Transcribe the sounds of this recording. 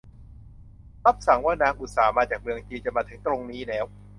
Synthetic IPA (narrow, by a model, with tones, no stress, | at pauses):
ɾa˦˥p̚sa˨˩˦ŋwaː˥˩naː˧ŋʔu˨˩t̪̚saː˩˦maː˧t͡ɕaː˨˩k̚mɯ˧əŋt͡ɕiː˧t͡ɕa˨˩maː˧t̪ʰɯ˩˦ŋt̪ɾo˧ŋniː˦˥lɛː˦˥w